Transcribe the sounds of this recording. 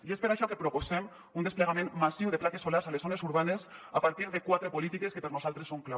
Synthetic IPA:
iespeɾaʃɔkepɾoposɛm | und̪espleɣamẽnmasiwðeplat̪esolaɾzalesonesuɾβanesapaɾt̪iɾðekwat̪ɾepolit̪ikeskepeɾnozalt̪ɾesːoŋkla

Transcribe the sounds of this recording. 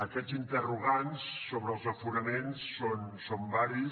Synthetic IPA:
əkɛzint̪əruɣ̞ansːoβɾəːlˠzəfunəmensːonsombaɾi

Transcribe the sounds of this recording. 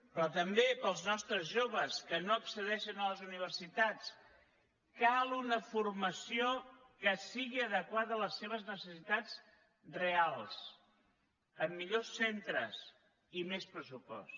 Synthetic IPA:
pɾɔt̪əmbepəlˠznɔst̪ɾəzʒoβəskənoəksəðɛʃənələzuniβ̞ərsit̪at͡s | kalˠunəfurməsiokəsiɣiəðəkwaðələseβ̞əznəsəsit̪ad͡z | realˠs | əmːiʎosːent̪ɾə̰s | imespɾəsupɔ̰s

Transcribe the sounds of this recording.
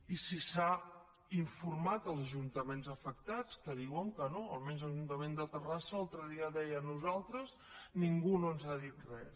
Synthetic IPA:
isisa | iɱfurmat̪əlˠzəʒunt̪əmenzəfək̚t̪at͡skəðiwəŋkənoəlmenzəlˠʒunt̪əmend̪ət̪ərasəalˠt̪ɾəðiəðɛjənuzalˠt̪ɾəz | niŋɡunoənzaðit̪̚rɛs

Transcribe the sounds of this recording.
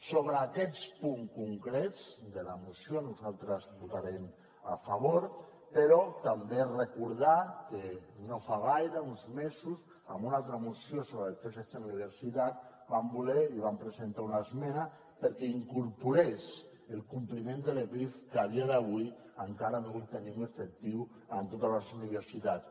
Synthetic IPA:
soβ̞ɾaːkɛt͡spuŋkuŋkɾɛd͡zd̪elamusionuzalˠt̪ɾəzβut̪aɾem | a̰faβ̞oɾ | peɾɔt̪amberekuɾð̞akenofaɣajɾaunzmezus | a̰mbunalˠt̪ɾəmusjosoβɾəelt̪eset͡ʃenniβeɾsit̪at̪̚ | bambulɛiβ̞ampɾesent̪aunazmɛna | pəɾkɛiŋkuɾpuɾes | elˠkumplimẽnd̪elepɾifkaðiaðəβ̞ui | aŋkaɾanoult̪enĩmefek̚t̪iw | ant̪ot̪alasuniβ̞eɾsit̪at̪

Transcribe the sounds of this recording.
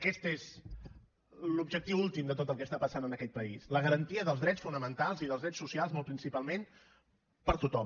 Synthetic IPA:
əkɛst̪ez | lubʒək̚t̪iwulˠt̪imd̪ət̪ot̪əlˠkɛst̪apəsanənəkɛt̪̚pəisləɣəɾənt̪iəðəlˠzðɾɛt͡sfunəmənt̪alˠziðəlˠzðɾɛt͡ssusialˠzmɔlˠpɾinsipalˠmen | pəɾt̪ut̪ɔm

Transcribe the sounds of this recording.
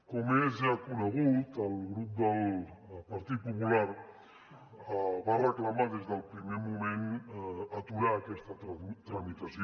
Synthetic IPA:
komezeakuɾeɣut̪alɣɾup̚d̪alpaɾt̪ipopulaɾ | βaraklamak̪ezd̪awpɾimemumenat̪uɾakest̪at̪t̪ɾamit̪asio

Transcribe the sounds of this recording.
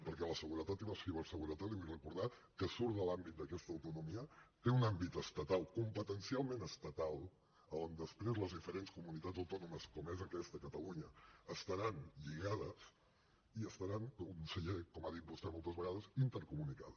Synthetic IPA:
pəɾkɛləsəɣuɾət̪at̪imasiβəɾsəɣuɾət̪aliβujrəkuɾðakəsuɾðəlambit̪̚d̪əkɛst̪əwt̪unumiət̪eunambit̪əst̪ət̪alˠkumpət̪ənsialˠmenəst̪ət̪alˠ | əond̪əspɾezləzðifəɾenskumunit̪adzəwt̪ɔnuməskɔmezəkɛst̪əkət̪əluɲəːst̪əɾanʎiɣaðəs | iəst̪əɾanunnsəʎekɔmaðit̪̚bust̪ɛmolˠt̪əzβəɣaðəzint̪əɾkumunikaðə

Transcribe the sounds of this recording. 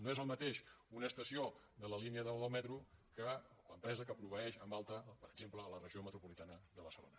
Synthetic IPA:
noezəlˠmət̪eʃunəːst̪əsiod̪ələliniəðəlðəlˠmɛt̪ɾukələ̰mpɾɛzəkəpɾuβəɛʃəmbalˠt̪əpəɾəɡzempləːlərəʒiomət̪ɾupulit̪anəðəβəɾsəlo̰nə

